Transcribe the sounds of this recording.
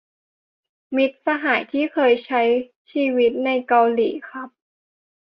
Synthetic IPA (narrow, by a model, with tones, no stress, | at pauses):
mi˦˥t̪̚sa˧ɦaː˩˦jt̪ʰiː˥˩kʰɤː˧jt͡ɕʰa˦˥j | t͡ɕʰiː˧wi˦˥t̪̚na˧jka˧wliː˨˩˦xʰɾa˦˥p̚